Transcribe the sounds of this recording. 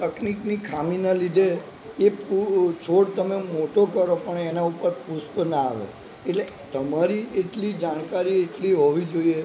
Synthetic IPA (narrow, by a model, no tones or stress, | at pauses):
t̪əkniknikʰaminalid̪ʱe | eput͡ʃʰoɽt̪əmemoʈokəɾopəɳenaupəɾpuspna̰ːʋo̰ | eʈle | t̪əmaɾieʈlid͡ʒaɽ̃kaɾieʈliɦoʋid͡ʒoie